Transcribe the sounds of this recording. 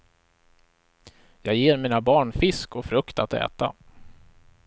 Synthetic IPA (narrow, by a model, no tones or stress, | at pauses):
jɑːɡjeːɾmiːnabɑːɳfɪskɔfɾɵkt̪at̪ɛ̰ːt̪a̰